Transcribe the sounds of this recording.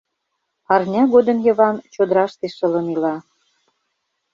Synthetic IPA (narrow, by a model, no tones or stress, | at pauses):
ɑrnʲɑɣod̪ə̆mjə̆βɑnt͡ɕod̪əɾɑʃt̪eʃə̆lə̆nilɑ